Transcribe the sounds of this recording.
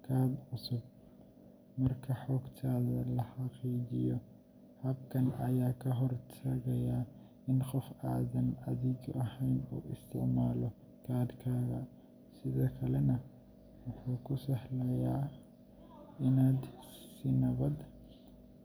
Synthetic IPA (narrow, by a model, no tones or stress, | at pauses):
kʰaːbʕʊsʊb̚ | mɐrkʰɐħɔːɡt̪ʰaːðɐlɐħɑqiːd͡ʒɪjɔ | hɐbkʰɐnʔɐ̰jaːkʰɐɦɔrt̪ʰɐɣɐjaː | ɪnqɔfaːðɐnɐðɪɡɐhɛjnṵːʔɪst̪ʰɪʕmaːlɔ | kʰaːd̪kʰaːɣɐ̰ | sɪðɔːkʰɐlɛnɐ | wʊħuːkʰʊsɐhlɛjaː | ɪnaːd̪sɪnɐβɐd̪